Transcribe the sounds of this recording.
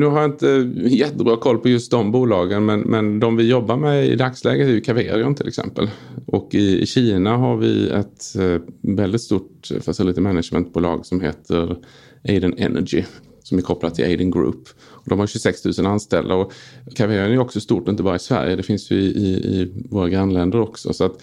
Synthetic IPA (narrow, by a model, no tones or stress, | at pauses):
nʉ̟ɦaɾjaɪnt̪əjɛt̪ːəbɾɑːkʰɔlːpʰɔjɵst̪̚d̪ɔmbuːlɑːɡənmɛnmɛnd̪ɔmvɪjɔbːaɾmɛɪ̰d̪akslɛ̰ːɡət̪æɾjɵkʰaveːɾɪʊmt̪ʰɪlʔɛ̰ksɛ̰mpəlʔɔkːɪɪ̰ɕiːnaɦaɾvɪ̰ɛt̪ | vɛld̪ɪt̪st̪uːʈfasɪlɪːt̪əmɛnadʂmɛ̰nt̪̚buːlɑ̰ːɡsɔmɦḛːt̪ʰəɾ | ʔeɪd̪ənɛ̰nʔæɡɪ | sɔmæɾkʰɔplad̪t̪ʰɪlʔeɪd̪ɪŋɡɾʉ̰ːpː | ɔd̪ɔmhaɾɕʉsɛkst̪ʰʉ̟ːsənanst̪ɛ̰ld̪aɔkʰːaveɾɪənæɾɾɔksɔst̪uːʈɪnt̪əbɑːɾaɪsvæ̰ɾjəd̪ɛfɪnsjɪɪɪ̰voːɾaɡɾanlɛnd̪əɾɔksɔ̰sɔat̪